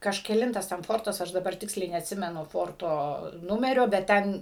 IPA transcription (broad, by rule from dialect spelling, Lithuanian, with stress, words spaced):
kɐʃʲkʲɛˈlʲɪntɐs tʲɛn ˈfoːrtɐs ˈɐʃ dɐˈbɐr ˈtʲɪksʲlʲɛɪ nʲɛɐtʲˈsʲɪmʲɛnʊ ˈfoːrtoː ˈnʊmʲɛrʲoː bʲɛt ˈtʲɛn